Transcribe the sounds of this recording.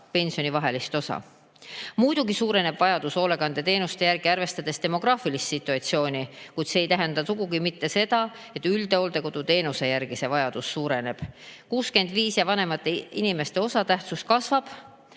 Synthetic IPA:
pe̞nʲsijo̞nivɑɦe̞list̪o̞sɑ̰ | mujd̪uɡ̥isuːɾe̞ne̞b̥vɑjɑd̪uso̞le̞ɡɑnd̪̥e̞t̪e̞ːnust̪e̞jæɾɡ̥iɑɾve̞st̪ɑd̪̥e̞st̪e̞mo̞ɡ̥rɑːfilist̪sit̪ːˑuɑt̪sio̞ːnʲikujd̪̥se̞ːjt̪æɦe̞nd̪̥ɑsuɡuɡimit̪ːe̞se̞d̪ɑ | e̞t̪ːˑyld̪e̞o̞ld̪̥e̞ko̞d̪̥ut̪e̞ːnuse̞jæɾɡ̥isevɑjɑd̪̥usːuːɾe̞ne̞b̥kuːske̞nd̪viːsjɑvɑne̞mɑt̪ːˑeinime̞st̪e̞o̞sɑt̪æht̪sust̪̚kɑsvɑb̥

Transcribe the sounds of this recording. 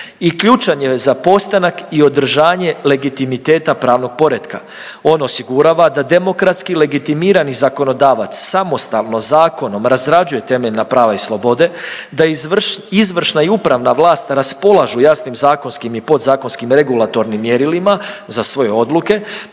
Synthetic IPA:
ikʎut͡ʃaɲe̞zapo̞st̪anakio̞d̪r̩ʒaːɲe̞le̞ɡit̪imit̪eːt̪apɾaːʋno̞ɡ̥̚po̞ɾed̪ka̰ | o̞no̞siɡuɾaːʋad̪ad̪e̞mo̞kɾat̪skile̞ɡit̪imiːɾanizako̞no̞d̪aːʋat̪sːamo̞st̪alno̞zaːko̞no̞mɾazɾad͡ʒuje̞t̪e̞meʎnapɾaːʋaislˠo̞bo̞d̪e̞d̪aizʋr̩ʃnaiupɾaʋnaʋlˠaːst̪ɾaspo̞lˠaʒujasnimzaːko̞nskimipo̞d̪zaːko̞nskimɾe̞ɡulˠat̪o̞ɾnimːje̞ɾilimazasʋo̞je̞o̞d̪luke̞

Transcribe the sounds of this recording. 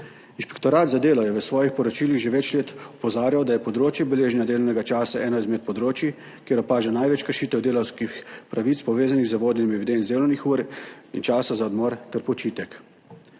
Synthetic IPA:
inspɛ̥kt̪ɔɾaːt̪zad̪eːlɔjɛʋəsʋɔːjixpɔɾɔt͡ʃiːliɣʒeʋɛt͡ʃleːt̪ɔpɔzaːɾjawd̪ajɛpɔd̪ɾoːt͡ʃjɛbɛleːʒnʲjad̪eːlɔnɛɡat͡ʃaːsaʔɛːnɔizmɛt̪̚pɔd̪ɾoːt͡ʃi | keːɾɔpaːʒɛnajʋɛt͡ʃkəɾʃiːt̪ɛwd̪eːlawskixpɾaʋiːt̪spɔʋeːzaniɣzəʋoːd̪ɛnimiʋʲid̪ent̪zd̪eːlɔwnixuːɾḭnt͡ʃaːsazaɔd̪mɔːɾt̪ɛɾpɔt͡ʃiːt̪ɛk

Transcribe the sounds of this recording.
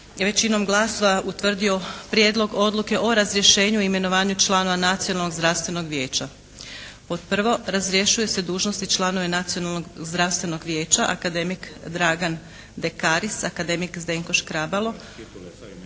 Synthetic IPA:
ʋe̞t͡ɕino̞mɡlˠaso̞ʋaʔut̪ʋr̩d̪io̞pɾʲje̞ːd̪lˠo̞ɡo̞d̪luke̞ʔo̞ɾazɾje̞ʃe̞ːɲuime̞no̞ʋaːɲut͡ʃlˠaːno̞ʋanat̪sijonalno̞ɡzd̪ɾaʋst̪ʋe̞no̞ɡʋje̞ːt͡ɕa | po̞t̪̚pr̩ʋo̞ɾazɾje̞ʃujese̞d̪uːʒno̞st̪it͡ʃlˠaːno̞ʋe̞nat̪sionalnoɡzd̪ɾafst̪ʋe̞no̞ɡʋje̞ːt͡ʃaʔakad̪e̞mikd̪ɾaːɡan | d̪e̞kaːɾisakad̪e̞mikzd̪e̞ŋko̞ʃkɾabalo̞

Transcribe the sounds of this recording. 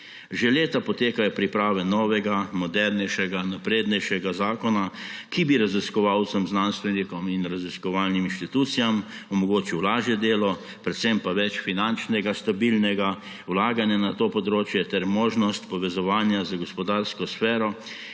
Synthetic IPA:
ʒɛleːt̪apɔt̪eːkajɔpɾipɾaːʋɛnɔːʋɛɡamɔd̪ɛɾnɛjʃɛɡanapɾeːd̪nɛjʃɛɡazaːkɔnakibiɾaziskɔʋawt̪sɔmznanst̪ʋɛnikɔminɾaziskɔʋalniminʃt̪it̪ut̪sijam | ɔmɔɡoːt͡ʃiwlaːʒjɛd̪eːlɔ | pɾɛt̪sɛmpaʋɛt͡ʃfinant͡ʃnɛɡast̪abilnɛɡa | wlaːɡanjanat̪oːpɔd̪ɾoːt͡ʃjɛt̪ɛɾmoːʒnɔst̪pɔʋɛzɔʋaːnjazaɡɔspɔd̪aɾskɔsfɛːɾɔ

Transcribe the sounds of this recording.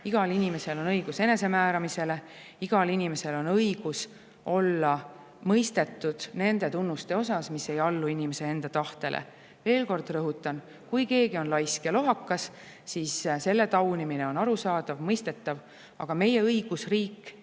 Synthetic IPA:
iɡ̥ɑlinime̞se̞lo̞nɤjɡ̥use̞ne̞se̞mæːɾɑmise̞le̞ | iɡ̥ɑlinime̞se̞lo̞nɤjɡ̥us | ʔo̞lːɑ | mɤjst̪e̞t̪ːˑud̪̥ne̞nd̪̥e̞t̪unːust̪e̞o̞sɑsmise̞jɑlːuinimese̞e̞nd̪̥ɑt̪ɑht̪e̞lʔḛ | ve̞ːlko̞rd̪̥rɤɦut̪ːˑɑn | kujke̞ːɡio̞nlɑjskɑlo̞ɦɑkːɑs | sisse̞lːe̞t̪ɑwnimine̞o̞nɑɾusɑːd̪̥ɑvmɤjst̪e̞t̪ˑːɑv | ɑ̰ɡ̥ɑme̞je̞ɤjɡ̥usriːkːˑ

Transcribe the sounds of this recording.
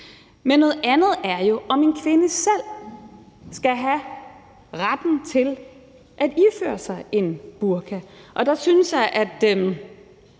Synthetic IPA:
menːɔ̽ːð̩ˠænð̞̩ˠæɐjo̝ʔɒ̽me̝nkʰʋe̝nəsel̰ | sɡ̥æɦæ | ʁad̥n̩t͡sʰe̝l | ʔæd̥ifø̰ːɐsɑ̈ɪe̝nb̥uɐkʰæʔɒ̽d̥ɑ̈synsjɑ̈ɪʔæd̥øm

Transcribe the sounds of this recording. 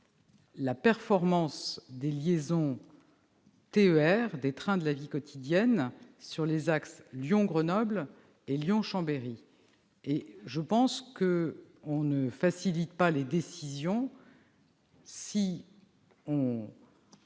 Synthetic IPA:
lapɛʁfɔʁmɑ̃sd̪eljezɔ̃ | t̪eøɛʁd̪et̪χɛ̃d̪əlavikɔt̪ʰid̪jɛnsyʁlezaksljɔ̃ɡʁənɔbl | eljɔ̃ʃɑ̃beʁi | eʒəpɑ̃skəɔ̃nəfasilit̪paled̪esizjɔ̃ | si | ɔ̃

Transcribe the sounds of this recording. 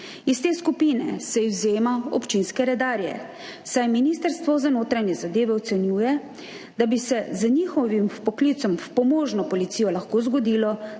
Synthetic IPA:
ist̪eːskupiːnɛsɛiwzeːmaɔpt͡ʃinskɛɾɛd̪aːɾjɛ̰ | sajminiːst̪əɾst̪ʋɔzanoːt̪ɾanjɛzad̪eːʋɛɔt̪sɛnjuːjɛ | d̪abisɛznixɔʋimpɔkliːt̪sɔmfpɔmoːʒnɔpɔlit̪sijɔlaxkoːzɡɔd̪iːlɔ

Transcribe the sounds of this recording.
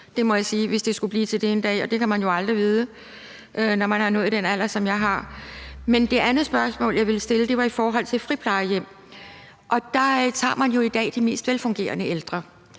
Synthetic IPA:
d̥e̝mɒ̽jɑ̈siːʋe̝sd̥e̝sɡ̥ub̥liːt͡sʰe̝ld̥eend̥ɛ̰ːɒ̽d̥e̝kʰæmænjo̝ɑ̈ld̥ʁiʋiːð̞ˠə | ʔønɒmænhɑ̈nɔ̽ːð̩ˠd̥enæl̰ɐsɒ̽mjɑ̈ɪɦɑ̈mend̥e̝ʔænð̩ˠsb̥ɶɐsmɔ̰̽ːljɑ̈ɪʋe̝ləsd̥e̝ləd̥e̝ʋɑ̈ifɒːɦɒ̽l̰t͡sʰe̝fʁipʰlɑ̈ɪjem̰ | ʔɒ̽d̥ɑ̈t͡sʰɑ̰̈ːmænjo̝id̥ɛ̰ːd̥ime̝̰ːsd̥ʋelfɔ̽ŋɡ̥e̝̰ːɐnəeld̥ʁɐ

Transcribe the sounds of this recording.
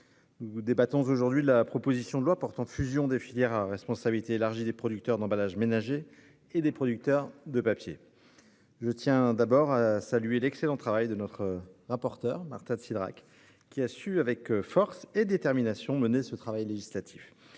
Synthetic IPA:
nud̪ebat̪ɔ̃zoʒuʁd̪ɥilapχɔpozisjɔ̃d̪əlwapɔʁt̪ɑ̃fyzjɔ̃d̪efiljɛʁaʁɛspɔ̃sabilit̪eːlaʁʒid̪epχɔd̪yk̚t̪œʁd̪ɑ̃balaʒmenaʒeː | d̪epχɔd̪yk̚t̪œʁd̪əpapjḛ | ʒət̪jɛ̃d̪abɔʁasalyelɛkselɑ̃t̪χavajd̪ənɔt̪χəʁapɔʁt̪œʁma̰ʁt̪ɛ̃sid̪ʁa̰k | kʲːiasyavɛkfɔʁsed̪et̪ɛʁminasjɔ̃mənesət̪χavajleʒislat̪ʰi̥f

